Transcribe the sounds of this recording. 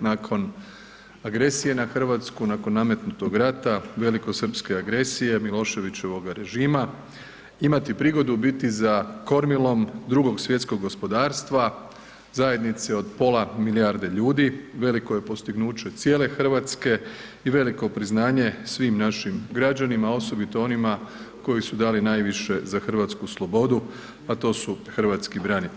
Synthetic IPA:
nakʰo̞n | aɡɾe̞sije̞naxr̩ʋat̪skunako̞nːame̞t̪nut̪o̞ɡɾat̪aʋe̞liko̞sr̩pske̞aɡɾe̞sije̞milˠo̞ːʃe̞ʋit͡ɕe̞ʋo̞ɡaɾe̞ʒiːma | imat̪ipɾiɡo̞d̪ubit̪izako̞ɾmilˠo̞md̪ɾuɡo̞ɡsʋjet̪sko̞ɡːo̞spo̞d̪aːɾst̪ʋa | zaje̞d̪nit̪seo̞d̪po̞lˠamiliaːɾd̪e̞ʎuːd̪iʋe̞liko̞je̞po̞st̪iɡnuːt͡ɕe̞t̪sjeːle̞xr̩ʋaːt̪ske̞ | iʋe̞liko̞pɾiznaːɲe̞sʋiːmnaʃimɡɾad͡ʒanimao̞so̞bit̪o̞o̞nima | ko̞jisud̪aːlinaːjʋiʃe̞zaxr̩ʋat̪skuslˠo̞bo̞d̪u | at̪o̞ːsuxr̩ʋat̪skibɾani

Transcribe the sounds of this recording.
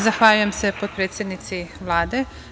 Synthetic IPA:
zaxʋaːʎuje̞mse̞pod̪̚pɾeːt̪sʲje̞d̪nit̪siʋlˠaːd̪e̞

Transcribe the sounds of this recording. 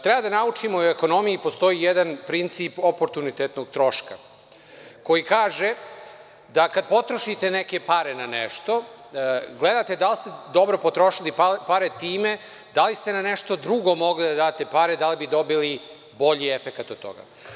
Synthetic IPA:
t̪ɾɛbad̪anaut͡ʂimoeko̞no̞mijipost̪o̞ijed̪anpɾint̪siːpopo̞ɾt̪unit̪et̪noɡ̚t̪ɾo̞ʃka̰ | ko̞jikaːʒe | d̪akad̪̚po̞t̪ɾoʃit̪e̞neke̞paɾenanḛʃt̪o̞ | ɡled̪at̪e̞d̪alist̪ed̪o̞bɾo̞pot̪ɾo̞ʃilippaɾe̞t̪iːme̞ | d̪alist̪e̞naneʃt̪o̞d̪ɾuɡo̞mo̞ɡlid̪ad̪aːt̪epaɾe̞d̪alibid̪o̞bili | bo̞ʎiefekat̪od̪̚t̪ːo̞̰ɡa̰

